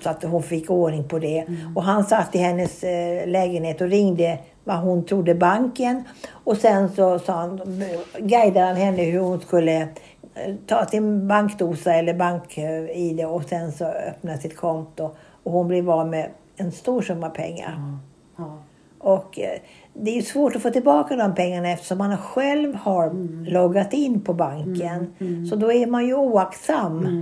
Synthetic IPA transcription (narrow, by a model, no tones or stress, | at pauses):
sɔat̪ɦʊnfɪkːoːɳɪŋpʰɔd̪ɛɔɦansat̪ʰːɪlhɛnːəslɛːɡənheːt̪ɔɾɪŋd̪ə | vaɦʊnt̪ʰɾʊd̪ːəbaŋkənɔsɛnsɔsɑːhan | ɡæjd̪ad̪hanhɛnːəɦɵɾhʊnskɵlːə | t̪ʰɑːsɪnbaŋkd̪uːsaɛlːəɾbaŋkɪd̪ɛɔsɛnsɔœ̰pnasɪt̪kʰɔnt̪ʊ | ɔhʊnblɪɾɑːlmɛ | ɛnst̪uːʂɵmːaɾpʰɛ̰ŋːa̰ɾ | ɔk | d̪ɛæɾjɵsvoːʈɔfoːt̪ʰɪlbɑːkad̪ɔmpʰɛŋːaɳaɛft̪ə̥ʂɔmhanhaɧɛlvhaɾlɔɡat̪ɪnːpʰɔbaŋkənsɔd̪ɔæɾmanjɵuːakt̪samː